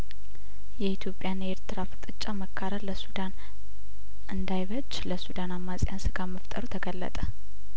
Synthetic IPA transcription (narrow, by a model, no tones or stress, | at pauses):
jɛit̪ʰjo̞pʼjaneɾt̪ʰɨɾaft̪ʼɨt͡ʃʼːaməkʰːaɾələsud̪an | ʔɨnd̪ajβət͡ʃːləsud̪anamːasʼɪjansɨɡaməft̪ʼəɾut̪ʰəɡəlːə̰t̪ʼə